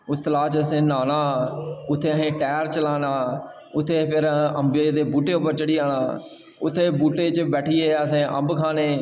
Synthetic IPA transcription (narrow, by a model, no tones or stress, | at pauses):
ʊst̪əlaːt͡ʃəsẽːnaːnaːʊt̪ʰːeːəɦẽːʈɛːɾt͡ʃəlaːnaː | ʊt̪ʰːeːpʰɪɾəmbeːd̪eːbuːʈeːʊp̬əɾt͡ʃəɽiːaːnaː | ʊt̪ʰːeːbuːʈeːt͡ʃbɛːʈʰiːeːəsẽːʔə̰mbkʰaːneː